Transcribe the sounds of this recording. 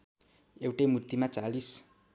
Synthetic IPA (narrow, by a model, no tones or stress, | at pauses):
ewʈemut̪ːimat͡salis